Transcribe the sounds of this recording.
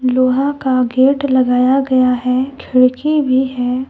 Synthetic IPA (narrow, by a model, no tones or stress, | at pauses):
loːɦãkaɡeːʈlɐɡaːjaɡɐjaɦɛkʰɪɽkibʱiɦɛː